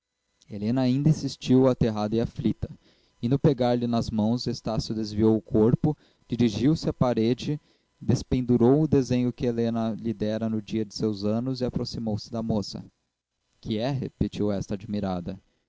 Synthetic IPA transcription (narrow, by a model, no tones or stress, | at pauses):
elẽnɐːĩnd̪ɐĩsist͡ʃiwat̪eɦad̪ɐɪaflit̪ɐ | ɪnʊpeɡaɾlɪnɐzmɐ̃w̃zest̪asjʊd̪ezviowʊkʰoɾpʊ | d͡ʒiɾiʒiwsɪapaɾed͡ʒɪ | d̪espẽnd̪uɾowʊd̪ezẽɲʊkɪelẽnɐlid̪ɛɾɐnʊd͡ʒiɐd͡ʒɪsewzɐ̃nʊzɪapɾosimowsɪd̪ɐmosɐ̰ | kʰɪɛɦepet͡ʃiwɛst̪ɐad͡ʒmiɾad̪ɐ